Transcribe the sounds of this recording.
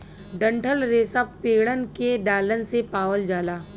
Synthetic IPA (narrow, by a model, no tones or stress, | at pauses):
ɖə̃ɳʈʰəlɾeːsəppeːɽənkeɖaːlənsepaːʋəld͡ʒaːlaː